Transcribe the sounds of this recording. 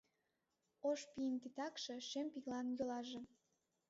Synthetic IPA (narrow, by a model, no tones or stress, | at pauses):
oʃpiənt̪it̪ɑkʃeʃempiɣlɑnjolɑʒe